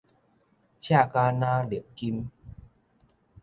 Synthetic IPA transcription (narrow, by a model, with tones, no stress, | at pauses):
t͡ɕʰja˥˩kaː˧naː˧li˨˩əkki˧m